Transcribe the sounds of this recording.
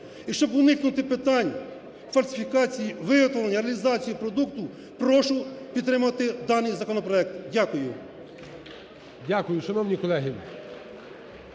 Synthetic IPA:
iʃt͡ʃɔbʊnɪknʊt̪ɪpɪt̪ɑnʲ | fɐlʲsɪ̥fʲikɑt͡sʲijiʋɪɦɔt̪ʋɔlˠenʲːɐɾeɐlʲizɑt͡sʲijipɾɔd̪ukt̪ʊ | pɾɔʃʊpʲid̪t̪ɾɪmʊʋɐt̪ɪd̪ɑnɨjzɐkɔnɔpɾɔɛk̚t̪dʲakʊjʊ | dʲakʊjʊʃɐnɔwnʲikɔlˠɛɦi

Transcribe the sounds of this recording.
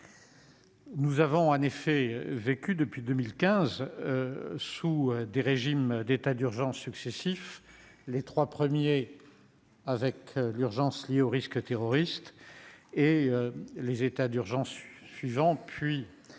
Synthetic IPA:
nuzavɔ̃ɑ̃nefɛvekʲyd̪əpɥid̪əmilkʲɛ̃z | suød̪eʁeʒimd̪et̪ad̪yʁʒɑ̃sːyksesif | let̪χwapχəmje | avɛklyʁʒɑ̃sljeoʁiskt̪eʁɔʁist̪ | eølezet̪ad̪yʁʒɑ̃sːɥivɑ̃pʰɥi

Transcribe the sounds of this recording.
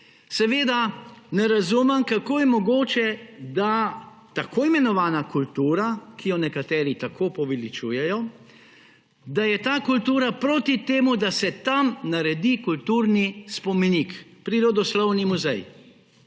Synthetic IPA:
sɛʋeːd̪anɛɾazuːmɛmkakoːjɛmɔɡoːt͡ʃɛd̪a | t̪akʰoːimɛnɔʋaːnakult̪uːɾakʰijɔnɛkat̪ɛːɾit̪akʰoːpɔʋilit͡ʃṵːjɛjɔ | d̪ajɛt̪aːkult̪uːɾapɾoːt̪it̪eːmud̪asɛt̪amnaɾɛd̪ikult̪uːɾnispɔminikpɾiɾod̪ɔslɔwnimuzɛ̰j

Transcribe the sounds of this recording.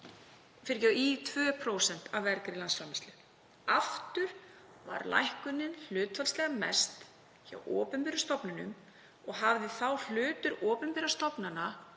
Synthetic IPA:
fɪɾcait̪ʰvœːpʰɾoːwsɛn̥t̪avvɛɾkɾɪlansfɾamɛst̪lʏ | aft̪ʏɾ̥ | va̰ɾla̰jhkʏnːɪnl̥ʏːt̪falslɛːɣamɛ̰st̪ | ça̰wʔɔːpʏnpɪɾast̪ɔpnʏnʏ̰m | ɔɣɦavðɪθawl̥ʏːt̪ʏɾɔːpʏnpɪɾast̪ɔpnana

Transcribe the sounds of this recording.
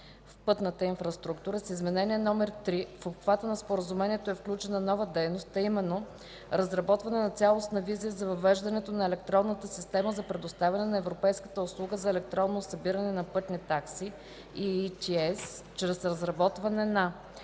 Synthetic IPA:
fpɤt̪nət̪əinfɾɐst̪ɾukt̪uɾəsizmɛnɛniɛnɔmɛɾt̪ɾifopxvat̪ənɐspoɾəzumɛniɛt̪oɛfklʲut͡ʃɛnɐnɔvəd̪ɛjnost̪ɐimɛnːo | ɾɐzɾɐbɔt̪vɐnɛnɐt̪sʲalˠosnɐvizijəzɐvɐvɛʒd̪ɐnɛt̪onɐɛlɛk̚t̪ɾɔnːət̪əsist̪ɛməzɐpɾɛd̪ost̪avʲɐnɛnɐɛvɾopɛjskə̥t̪əʊslˠuɡəzɐɛlɛk̚t̪ɾɔnːosɐbiɾɐnɛnɐpɤt̪nit̪aksi | it̪iɛst͡ʃɾɛsɾɐzɾɐbɔt̪vɐnɛnɐ

